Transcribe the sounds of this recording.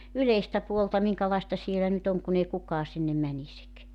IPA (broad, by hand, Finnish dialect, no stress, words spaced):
yleistæ puoltɑ miŋkɑlɑestɑ sielæ nyt oŋ kun ei kukɑː sinːem mænisik